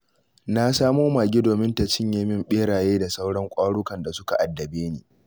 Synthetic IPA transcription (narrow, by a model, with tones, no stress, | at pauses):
na˦saː˦moː˦ma˨ɡʲɪ˦doː˨mɪ˦nta˨t͡ʃɪ˦ɲjeː˦mɪ˦mɓeː˦ɽaː˨jeː˦da˨sa˦wɽɐ˦ŋkʷʼaː˦ɽʊ˦kɐ˨nda˨sʊ˦ka˨ʔa˨dːɐ˨beː˦neː˨